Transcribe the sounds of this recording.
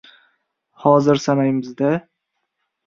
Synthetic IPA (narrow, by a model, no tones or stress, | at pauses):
hɒzɪɾsanajmɪzd̪a